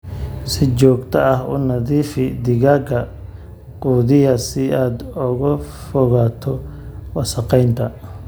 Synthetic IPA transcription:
sɪt͡ʃɔːɡt̪ʰɐɐhṵnɐðiːfɪd̪ɪɣaːɡɐ | quːðɪjɐsɪaːd̪ʊɣʊfɔɣaːt̪ʰɔwɑsɐqɛjnt̪ʰɐ

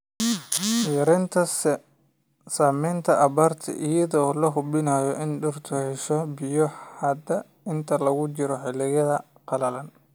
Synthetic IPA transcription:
jɐɾɛnt̪ʰɐs | saːmɛjnt̪ʰɐʔɐβaːrt̪ʰɐ̰ʔɪjɐðɔːlɐɦʊbɪnaːjɔʔɪnɖʊrt̪ʰʊhɛʃɔbɪjɔħɐd̪ɐ | ɪnt̪ʰɐlɐɣʊt͡ʃɪɾɔħɪlɪɣɐðɐ | qɑlɐlɐn

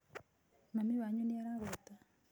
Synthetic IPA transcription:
namiβaɲoneaɾaɣot̪a

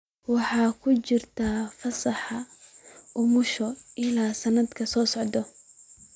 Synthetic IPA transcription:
wɑħɑːkʰʊt͡ʃɪrt̪ʰaːfɐsɐħɑ | ʊmʊʃɔʔɪlaːsɐnɐd̪kʰɐsɔːsɔʕd̪ɔ

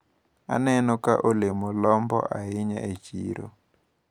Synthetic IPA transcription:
a̰nɛnɔka̰ʔulemulɔmbɔ̰ʔaɦiɲa̰ʔet͡ʃiːɾɔ̰

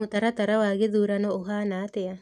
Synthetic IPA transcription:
ut̪aɾat̪aɾawaɡeðuɾanɔokanat̪ɛa

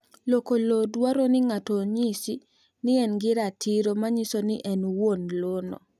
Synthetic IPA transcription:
lokolodwaɾonɪŋatoɲisi | nɪɛnɡɪɾatʰiɾomaɲisoniʔɛnwonlono̰

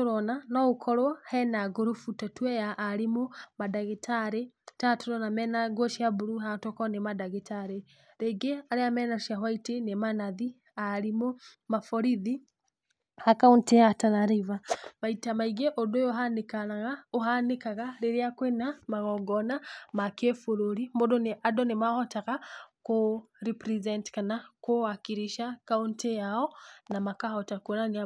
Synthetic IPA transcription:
oɾɔnanɔokʰɔɾɔhɛnaɡoɾofutatwɛjaʔːɾemomadaɣetʰaɾe | tatoɾɔnamɛnaɡwɔʃiabuɾuɦatɔkɔnemadaɣetaɾe | ɾeɡeaɾeamɛnaʃiaɦwaitenemanaði | aɾimo | mafɔɾiði | hakaonteatanaɾivamaitamaiɡɛʔɔdɔjɔɦanekanaɣaoɦanekaɣaɾeɾiakwɛnamaɣɔɡɔnamakefuɾuɾimbɔdɔneʔadɔnemahɔtaɣako | ɾipɾizɛntkanakowakiɾiʃakauntejaɔnamakahɔtakunaŋi

